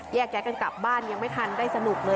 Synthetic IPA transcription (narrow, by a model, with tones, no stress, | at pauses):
jɛː˥˩k̚t͡ɕaː˨˥ka˧nka̰˨˩p̚baː˥˩nja˧ŋma˥˩jt̪ʰa˧ndaː˥˩jsa˧nu˨˩k̚lɤː˧